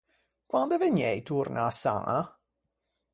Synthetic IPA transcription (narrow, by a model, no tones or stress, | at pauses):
kwand̪eveɲːɛjt̪urnʔaːsːa̰a